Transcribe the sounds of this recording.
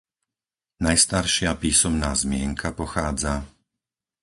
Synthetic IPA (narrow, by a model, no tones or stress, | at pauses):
najst̪aɾʃɪapiːsɔmnaːzmɪɛŋkʰapɔxaːd͡za